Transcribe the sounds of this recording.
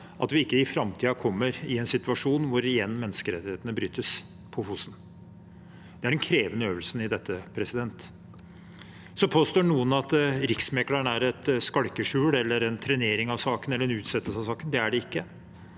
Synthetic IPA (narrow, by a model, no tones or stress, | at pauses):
ʔɑ̰t̪ʋɪɪkːəɪfɾɑmt̪ʰiːɑkʰɔmːəɾɪɛnsɪt̪ʉɑʂuːnʋʊɾɪjɛnːmɛnːəskəɾɛt̪ɪheːt̪ənəbɾyːt̪ːəs | pʰɔfʊsn̩ | d̪̥ɛæɖɛnkʰɾeːʋənəøːʋəlsənɪd̪ɛt̪ːəpʰɾɛsɪd̪ɛnt̪ | sɔpʰoːst̪oːnuːənɑt̪ɾɪksmɛkləɳæɾɛt̪skɑɽkəʂʉːɽɛlːəɾɛnt̪ʰɾɛneːɾɪŋɑʋsɑːkənɛlːɾɛnʉːt̪sɛt̪ːəsɑʋsɑːkənd̪ɛæɖɛɪkːə